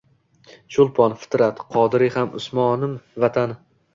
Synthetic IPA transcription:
ʃʊlˠpʰɒnfɪ̥t̪ɾat̪qʰɒd̪ɪɾɪhamʊ̰smɒnɪmvat̪ʰan

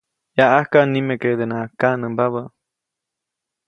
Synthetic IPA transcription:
jaʔahkanimeked̪enakanəmbaβə

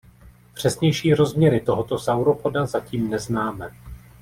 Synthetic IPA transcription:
pr̝̥ɛsɲɛjʃiːɾo̞zmɲɛɾɪt̪o̞ɦo̞t̪o̞sawɾo̞podazaciːmnɛznaːmɛ

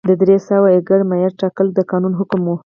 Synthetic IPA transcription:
d̪əd̪ɾesawaɪɡəɾmajaɾʈɑkəld̪əkɑnunɦʊkʊmwu

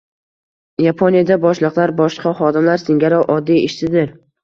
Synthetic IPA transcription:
japʰonijad̪abɒʃlˠɨqlˠaɾbɒʃqʰɑχɒd̪ɪmlaɾsɪŋɡʲaɾɒwʔɒd̪ːijɪʃsɪd̪ɪɾ

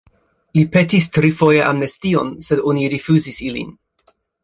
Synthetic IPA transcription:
lipe̞tistɾifojeʔamnestio̞nsedoniɾifuzisilḭn

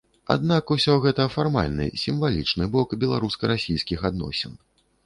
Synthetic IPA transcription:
a̰d̪̚nakusʲɔɣɛt̪ɐfarma̰lʲnɨ̰sʲimvalʲit͡ʂnɨbɔkbʲɛlˠaɾuskɐɾasʲijskʲixad̪nɔ̰sʲɛ̰n

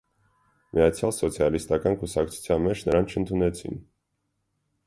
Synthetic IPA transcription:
mijɑt͡sʰjɑlsɔt͡sʰjɑlist̪ɑkɑnkusɑk̚t͡sʰu̥t͡sʰjɑnmɛt͡ʃʰnəɾɑnt͡ʃʰənt̪ʰunɛt͡sʰḭn

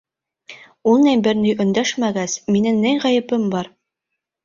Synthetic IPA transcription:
ulˠnæmbɘɾnyjʔɵ̆nd̪æʃmæɡæsminɘŋnɘjʁæjɘ̆pɘmbɑɾ

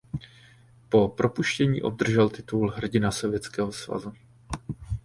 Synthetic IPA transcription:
po̞pɾʔo̞puʃcɛɲḭːʔo̞b̚d̪r̩ʒɛlt̪ɪt̪ulɦr̩ɟɪnaso̞vjɛt͡skɛːɦo̞sva̰zu

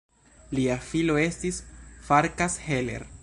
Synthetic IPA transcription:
liafilo̞e̞stisfaɾkashelḛɾ

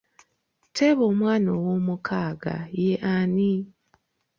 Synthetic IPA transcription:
tʰeβoːmwaːnowomukʰaːɡa̰jeʔani

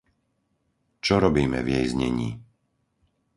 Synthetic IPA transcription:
t͡ʃɔɾɔbiːmɛ̰vjɛjzɲɛ̰ɲḭː

